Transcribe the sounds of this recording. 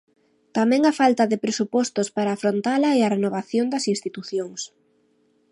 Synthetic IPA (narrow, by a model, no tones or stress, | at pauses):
t̪amɛ̃ŋafalt̪ɐðɪpɾesupɔst̪ospaɾaːfɾont̪alɐeɐrenoβaθjond̪ɐsinst̪it̪uθjoŋs